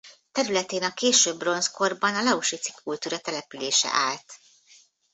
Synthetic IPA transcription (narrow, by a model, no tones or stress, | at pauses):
t̪ɛɾylɛt̪eːnɒkeːʃøːbːro̞nsko̞rbɒnɒlɒuʃit̪si̥kʰːult̪uːɾɒt̪ɛlɛpyleːʃɛ̰ʔaːlt̪